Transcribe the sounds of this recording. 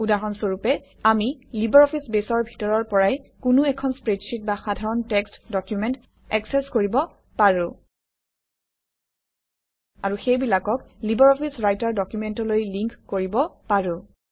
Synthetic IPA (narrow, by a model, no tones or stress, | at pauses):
udaɹɔnsoɹupɛ | amilibɔɹɔpʰisbesɔɹbʱi̥tɔɹɔɹpɔɹajkʊnʊɛkʰɔnspɹed͡ʒsit̚baxadʱaɹɔntɛkstdɔkjumɛnt | ɛksɛskoɹibɔ | paɹʊ̃ | aɹuxejbilakɔklibɔɹɔpʰisɹajtaɹdɔkjumɛntɔlojliŋkːoɹibɔpaɹʊ̃